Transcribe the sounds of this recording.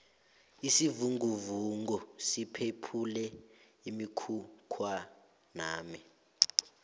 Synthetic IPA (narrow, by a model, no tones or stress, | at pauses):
isivuŋɡuvuŋɡusipʰepʰulɛ | imikʰukʰwa | naːmi